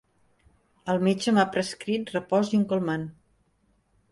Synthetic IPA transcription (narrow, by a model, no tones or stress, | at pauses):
əlˠmed͡ʒəmapɾəskɾit̪rəpɔziŋkolˠman